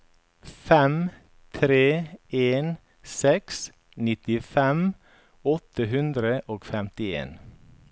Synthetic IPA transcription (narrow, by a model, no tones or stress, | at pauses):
fɛm | t̪ʰɾeːeːn | sɛks | nɪt̪ɪfɛm | ɔt̪əɦʉnd̪ɾəʔoːɡfɛmt̪ɪḛːn